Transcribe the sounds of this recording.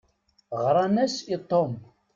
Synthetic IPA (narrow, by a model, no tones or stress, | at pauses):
ʁɾˤɑnæsit̪ˤːom